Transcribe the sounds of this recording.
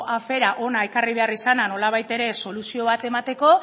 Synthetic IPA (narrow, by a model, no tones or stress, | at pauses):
afe̞ɾaʔo̞nae̞kariβ̞e̞arisanano̞laβ̞ajt̪e̞ɾe̞so̞lusio̞β̞at̪e̞mat̪e̞ko̞